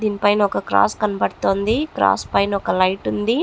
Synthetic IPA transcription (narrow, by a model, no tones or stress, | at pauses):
d̪iːnipɐjnɐɔkɐkɾa̰ːskɐnɐbɐɽt̪oːnd̪ikɾa̰ːspɐjnɐɔkɐlɐjʈund̪i